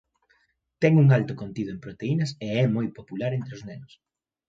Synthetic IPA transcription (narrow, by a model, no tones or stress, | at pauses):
t̪ɛŋuŋalt̪ʊkont̪iðʊempɾot̪einɐseɛmojpopulaɾent̪ɾɪʊznɛnʊs